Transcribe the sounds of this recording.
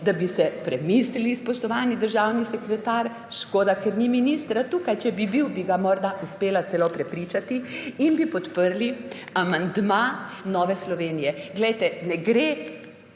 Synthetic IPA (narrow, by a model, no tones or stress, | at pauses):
d̪abisɛpɾɛmislilispɔʃt̪ɔʋaːnid̪əɾʒawnisɛkɾɛt̪aɾ | ʃkoːd̪akɛɾniminist̪ɾat̪uːkajt͡ʃɛbibiwbiɡamɔɾd̪auspeːlat̪sɛlopɾɛpɾit͡ʃat̪iinbipɔt̪pəɾli | amand̪manɔːʋɛslɔʋeːnijɛɡlɛjt̪ɛnɛɡɾe